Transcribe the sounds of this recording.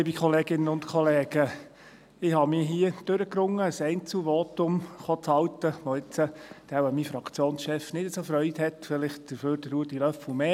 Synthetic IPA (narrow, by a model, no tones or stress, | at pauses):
liːbikχɔleːɡɪnːəʊntkʰɔleːɡ̥ə | ɪhɑmiɦiːəd̥øɾəkɾʊŋːəəsɛɪnt͡suvoːt̪ʊmχoːt͡shɑlt̪əʋoɪt͡səd̥ɛwəmifɾɑkʰt͡sjoːnsʃɛfnɪd̥əsofɾœʏt̪hɛt̪fɪlɪχt̚d̥əføːɾd̥əɾuːdilœfl̩meː